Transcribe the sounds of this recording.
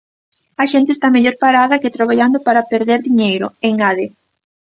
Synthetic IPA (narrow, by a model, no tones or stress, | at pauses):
ɐʃent̪est̪ameʎoɾpaɾaðɐkɪt̪ɾaβaʎand̪opaɾapeɾðeɾðiɲejɾo̰eŋaðe